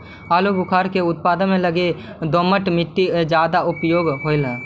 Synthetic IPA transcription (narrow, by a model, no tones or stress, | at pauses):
aːluɡʊkʰaːɾkeʊt̪̚paːd̪əmẽləɡe | d̪oməʈmɪt̪ːid͡ʒjaːd̪aʊpjoːɡɦoɪlɦɛ̃ː